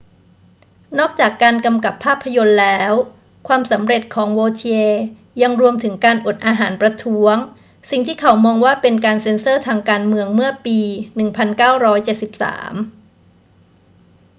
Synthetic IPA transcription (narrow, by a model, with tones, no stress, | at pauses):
nɔː˥˩k̚t͡ɕaː˨˩kːaː˧nka˧mka˨˩pʰːaː˥˩pʰːa˧jo˧nlɛː˦˥w | kʰwaː˧msa˩˦mɾe˨˩t̪̚kʰɔː˩˦ŋwoː˧t͡ɕʰi˧eː˧ | ja˧ŋɾu˧əmt̪ʰɯ˩˦ŋkaː˧nʔo˨˩t̪̚ʔaː˧ɦaː˩˦npɾa˧t̪ʰu˦˥əŋ | si˨˩ŋt̪ʰiː˥˩kʰa˩˦wmɔː˧ŋwaː˥˩pe˧nkaː˧nse˧nsɤː˥˩t̪ʰaː˧ŋkaː˧nmɯ˧əŋmɯ˥˩ɐpiː˧nɯ˨˩ŋpʰa˧nkaː˥˩wɾɔː˦˥jt͡ɕe˨˩t̪̚si˨˩p̚sa̰ː˩˦m